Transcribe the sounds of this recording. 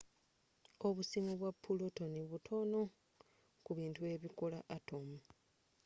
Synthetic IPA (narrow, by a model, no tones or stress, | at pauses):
o̞βusimuβwapːuloto̞niβutʰo̞no̞ | kuβiːntue̞βikola̰ʔato̞mu